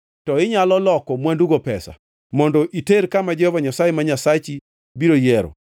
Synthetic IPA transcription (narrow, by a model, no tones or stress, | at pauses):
tɔɪɲalɔlɔkɔmwanduɡopɛsa̰ | mɔndɔʔiteɾkamad͡ʒɛhɔvaɲasajemaɲasat͡ʃi | biɾojɛɾɔ̰